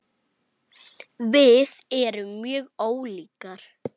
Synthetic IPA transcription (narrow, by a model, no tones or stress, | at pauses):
vɪðɛɾʏmːjœːɣoːwliːkaɾ̥